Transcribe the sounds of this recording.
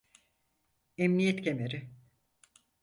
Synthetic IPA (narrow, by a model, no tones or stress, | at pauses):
emnijet̪cʰemeɾɪ